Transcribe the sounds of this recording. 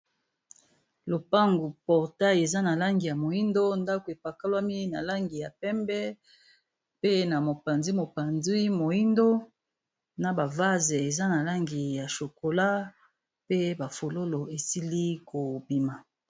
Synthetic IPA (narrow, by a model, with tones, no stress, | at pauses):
lo˨pa˦ŋɡu˨pɔ˨ʁta˦e˨za˦na˨la˦ŋɡi˨ja˨mo˨i˦ndo˦nda˦ko˨e˨pa˨ka˦lwa˦mi˦na˨la˦ŋɡi˨ja˨pɛ˦mbɛ˦ | pe˦na˨mo˨pa˨nzi˦mo˨pa˨nzi˦mo˨i˦ndo˦ | na˨ba˨va˦ze˨za˦na˨la˦ŋɡi˨ja˨ʃo˨ko˨la˦ | pe˦ba˨fo˨lo˦lo˨e˨si˦li˦ko˨bi˨ma˨